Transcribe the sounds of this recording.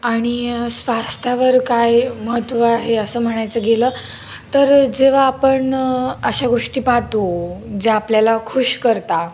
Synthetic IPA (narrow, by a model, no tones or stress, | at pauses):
aɽ̃isʋast̪ʰjaʋəɾkajməɦət̪ʋaɦeəsəːm̤əɽ̃ajt͡səɡelə | t̪əɾd͡ʑeʋ̤aːpəɳəɕaɡoʂʈiːpat̪od͡zeapljalakʰuɕkəɾt̪a